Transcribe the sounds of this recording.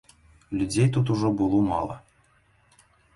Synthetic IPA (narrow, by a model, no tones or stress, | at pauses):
lʲud͡zʲejt̪ut̪uʐɔbɨlˠumɑ̰lˠə̰